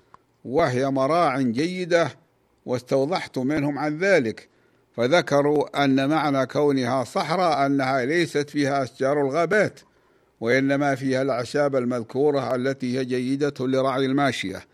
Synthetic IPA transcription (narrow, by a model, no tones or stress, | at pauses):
wɪɦɪjamɑɾˤɑːʕɪnd͡ʒajːɪd̪a | wɪst̪ɑwðˤɑħt̪ʊmɪnhʊmʕanðaːlɪk | faðakɑɾˤuʔanːamaʕnakawnɪhasˤɑħɾˤɑʔanːahalajsat̪fiːhaʔaʃd͡ʒɑːɾˤalɣaːbaːt̪ | wɪʔɪnːamafiːhalʕaʃaːbalmaðkuːɾˤɑʔalːat̪ihɪjad͡ʒajːɪd̪alɪɾˤɑʕjalmaːʃɪja̰